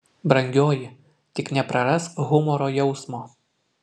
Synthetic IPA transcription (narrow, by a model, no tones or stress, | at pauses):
bɾɐŋʲɡʲoːjɪ | t̪ʲɪknʲɛpɾɐɾɐsɣʊmɔɾoːjɛʊsmoː